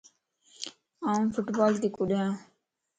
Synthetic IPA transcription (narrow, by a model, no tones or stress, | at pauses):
ãːmpʰʊʈbaːlt̪iːkʊɗãː